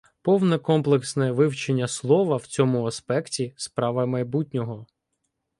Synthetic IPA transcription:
pɔwnɛkɔmplˠeksnɛʋɪwt͡ʃenʲːɐslˠɔʋɐwt͡sʲɔmʊɐspɛktʲispɾɑʋɐmɐjbutʲnʲɔɦɔ

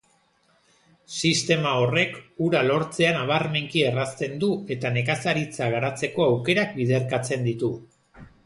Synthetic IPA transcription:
sist̪e̞mao̞re̞kuɾalo̞ɾt͡se̞anaβ̞arme̞ŋkie̞rast̪e̞nd̪ue̞t̪ane̞kasaɾit͡saɣ̞aɾat͡se̞ko̞awke̞ɾak̚bið̞e̞ɾkat͡se̞nd̪it̪u

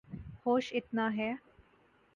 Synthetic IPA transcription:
hoːʃɪt̪naɦɛː

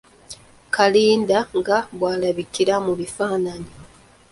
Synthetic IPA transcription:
kaliːndaŋɡaβwaːlaβikiɾamuβifaːnani

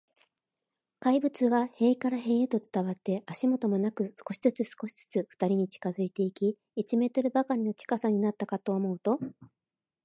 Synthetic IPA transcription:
kaibɯ̟t͡sɨβahe̞ːikaɾaɦe̞ːet̪o̞t͡sɨ̥t̪aβat̪ːe̞aɕimo̞t̪o̞mo̞nakɯ̟sɨ̥ko̞ɕizɨt͡sɨsɨ̥ko̞ɕi̥z̥ɨ̥t͡sɨɸɯ̟̥t̪aɾʲiɲ̟it͡ɕi̥kazɨit̪e̞ikʲi | it͡ɕime̞ːt̪o̞ɾɯ̟bakaɾʲino̞t͡ɕi̥kasaɲ̟inat̪ːakat̪o̞ːmo̞ɯ̟t̪o̞

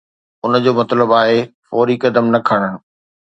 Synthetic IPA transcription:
ʊnə̆d͡ʑoːmɐt̪ləbaːɦefɔːɾikɐd̪əmnɐkʰɐɽ̃əɽ̃̆

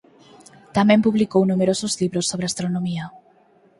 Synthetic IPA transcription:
t̪amẽmpuβlikownumeɾosʊzliβɾosːoβɾeast̪ɾonõmia

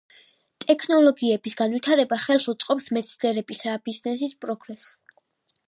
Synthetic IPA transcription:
t̪ʼɛkʰnɔlɔɡiɛbisɡ̥anvwit̪ʰaɾɛbaχɛlˠʃut̪sʼqʼɔpsmɛt̪sʰnɛɾɛbisab̥iznɛsispʼɾɔɡɾɛs

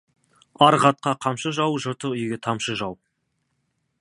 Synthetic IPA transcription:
ɑɾʁɑt̪̚qɑqʰɑmʃəʒɑwʒʊɾt̪əʏjɡʲet̪ʰɑmʃəʒɑw

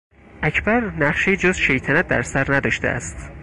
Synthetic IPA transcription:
ʔæcʰbæɾnæχʃejid͡ʒozʃe̞jt̪ʰænæt̪̚d̪æ̰ɾsæɾnæd̪ɒːʃt̪eʔæ̰st̪

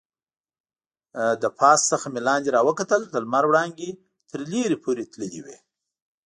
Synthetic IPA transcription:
d̪əpʰɑssəxamelɑnd̪eɾɑwəkat̪əld̪əlmaɾwɽɑŋɡe | t̪ʰəɾleɾepʰoɾet̪ləlḭwḛ

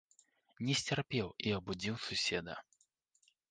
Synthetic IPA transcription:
nʲɛsʲt͡sʲarpʲɛwiɐbud͡zʲiwsusʲɛd̪ɐ̰

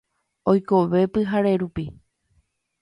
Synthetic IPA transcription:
ojkoʋe̞pɨɦaɾe̞ɾupi

